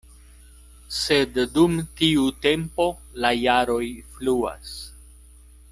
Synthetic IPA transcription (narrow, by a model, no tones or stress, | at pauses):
sedːumtiute̞mpo̞ | lajaɾo̞jflua̰s